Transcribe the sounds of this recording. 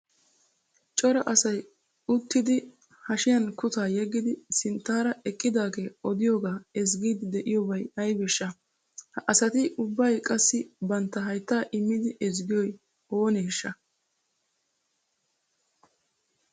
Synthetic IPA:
t͡ʃʼɔɾɐʔɐsɐj | ʊt̪ːɪd̪ɪ | hɐʃɪjɐnkʊt̪aːjɛɡːɪd̪ɪsɪnt̪ːaːɾɐʔɛkʼːɪd̪aːɡeːɔd̪ɪjoːɡaːɛzɡiːd̪ɪd̪ɛʔɪjɔbɐjɐjbɛʃːɐ | hɐʔɐsɐt̪ɪʔʊbːɐjkʼɐsːɪbɐnt̪ːɐɦɐjt̪ːaːʔɪmːɪd̪ɪɛzɡɪjɔj | oːnɛʃːɐ

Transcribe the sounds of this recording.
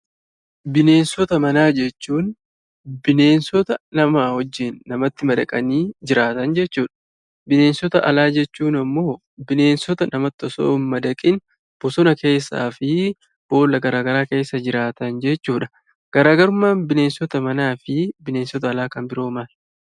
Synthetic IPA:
bɪne̞ːnsɔt̪ɐmɐnaːd͡ʒɛt͡ʃːuːn | bɪne̞ːnsɔt̪ɐnɐmahɔd͡ʒːɪnːɐmɐt̪ːɪmɐd̪ɐkʼɐniːd͡ʒɪɾaːt̪ɐnd͡ʒɛt͡ʃːuːᶑɐ̥ | bɪne̞ːnsɔt̪ɐʔɐlaːd͡ʒɛt͡ʃːuːnɐmːo̞ː | bɪne̞ːnsɔt̪ɐnɐmɐt̪ːɔso̰ːnmɐd̪ɐkʼɪn | b̥ɔsɔnɐke̞ːsːa̰ːfɪ | b̥o̞ːlːɐɡɐɾaːɡɐɾaːke̞ːsːɐd͡ʒɪɾaːt̪ɐnd͡ʒɛt͡ʃːuːᶑɐ̥ | ɡ̥ɐɾaːɡɐɾʊmːaːnbɪne̞ːnsɔt̪ɐmɐnaːfɪbɪne̞ːnsɔt̪ɐːlaːkɐmbɪɾo̞ːmal

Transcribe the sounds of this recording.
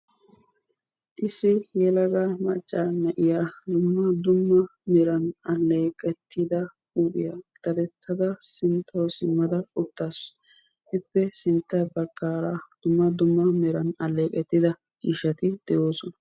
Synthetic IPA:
ʔɪsɪjɛlɐɡamɐt͡ʃʼːanːɐʔɪjaːd̪ʊmːɐd̪ʊmːɐmɪɾɐnɐlːeːkʼɛt̪ːɪd̪ɐ | uːpʼɪjat̪ɐɾɛt̪ʰːɐd̪ɐsɪnt̪ʰːɐsɪmːɐd̪ɐʊt̪ːaːs | ʔɪpːɛsɪnt̪ːɐbɐkːaːɾad̪̥ʊmːɐd̪ʊmːɐmɪɾɐnɐlːeːkʼɛt̪ːɪd̪ɐ | t͡ʃiːʃɐt̪ɪd̪̥ɛjo̞ːsɔnɐ

